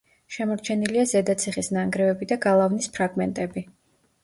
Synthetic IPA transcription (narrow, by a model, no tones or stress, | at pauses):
ʃɛmɔɾt͡ʃʰɛniliazɛd̪at̪sʰiχisnaŋɡɾɛvɛbid̪aɡalˠavnispʰɾaɡmɛnt̪ʼɛbi